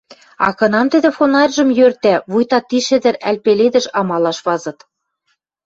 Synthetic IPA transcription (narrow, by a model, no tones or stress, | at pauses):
ɑ̰kɤ̆nɑmt̪ɘ̆d̪ɘ̆fonɑrʲʒɤ̆mjørt̪æβujt̪ɑt̪ːiʃɘ̆d̪ɘ̆ɾælpeled̪ɘ̆ʃɑmɑlɑʃβɑzɤ̆t̪